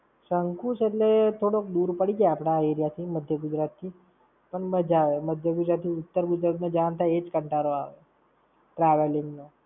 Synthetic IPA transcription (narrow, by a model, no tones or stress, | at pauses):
səŋkuseʈlet̪ʰoɽokd̪uɾpəɽid͡ʒeapɽ̃aeɾjat̪ʰiməd̪ʱjəɡʊd͡ʒɾat̪ʰːi | pəɳməd͡ʒaʋeməd̪ʱjəɡʊd͡ʒɾat̪ʰːiʊt̪ːəɾɡʊd͡ʒɾat̪ned͡ʒant̪ʰajed͡ʒkəɳʈaɾoa̰ʋe | ʈɾaʋeliŋɡno